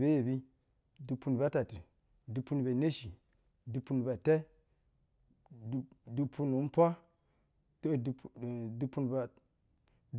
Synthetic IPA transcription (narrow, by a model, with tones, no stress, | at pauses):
be˦je˨bi˦ | du˨pu˦n˨ba˦ta˨tu˨ | du˨pu˦nbe˨ne˦ʃi˨ | du˨pu˦n˨ba˨te˦˨ | du˨pʰu˦n˨wu˨˦n˦pʷa˦ | to˦ddu˦pu˦nba˨ | d